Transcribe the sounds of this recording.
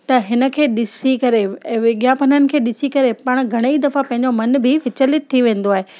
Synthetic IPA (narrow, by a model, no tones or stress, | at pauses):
t̪ɐɦɪnə̆kʰeːɗɪsikɐɾeʋɪɠjapɐnənɪ̆kʰeːɗɪsikɐɾepɐɽ̃ɡʱɐɽ̃eid̪ɐfapɐ̃ɦɪ̃ɲd͡ʑomɐnbʱɪʋɪt͡ɕəlɪt̪̚ʰːiʋẽːn̆d̪oaːɦe